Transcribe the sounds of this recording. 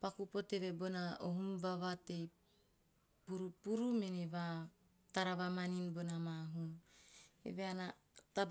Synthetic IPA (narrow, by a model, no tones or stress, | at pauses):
pakupoteβebonaoɦumbaβatej | puɾupuɾumeneβa | taɾaβamaninbonamaɦun | ḛβeana | tab